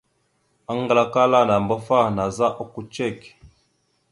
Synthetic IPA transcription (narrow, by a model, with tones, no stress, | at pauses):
a˦ŋ˦ɡə˦la˦ka˦la˦˨na˨mbə˦fa˦˨na˨za˦ʔo˦ku˨t͡ʃɛ˦˨k